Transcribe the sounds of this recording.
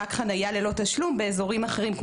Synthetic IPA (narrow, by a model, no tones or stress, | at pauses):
akχanajale̞lo̞t̪aʃlumbe̞ːzo̞ʁimaχe̞ʁimkm